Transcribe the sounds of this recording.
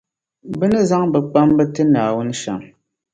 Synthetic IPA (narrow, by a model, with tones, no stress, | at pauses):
bɨ˦nɨ˦za˦ŋbɨ˨k͡pa˦mbɛ˦tɨ˦naː˨wu˦n˦ʃa̰˨ŋ